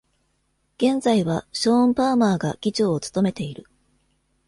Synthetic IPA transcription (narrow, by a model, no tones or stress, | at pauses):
ɡ̥ẽ̞nzaiβaɕõ̞ːmpaːmaːɡaɡ̥ʲit͡ɕo̞ːt͡sɨ̥t̪o̞me̞t̪e̞iɾɯ̟